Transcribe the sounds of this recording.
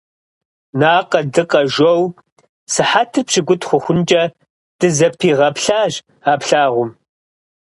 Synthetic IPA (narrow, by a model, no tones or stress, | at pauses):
naːqɐdɨqɐʒʷow | sɨħatʰɨrpɕɪɡʷʊtʰʼχʷʊxʷʊnt͡ʃʼɐ | d̥ɨzɐpʰiːʁɐpɬaːʒ | aːpɬaːʁʷʊm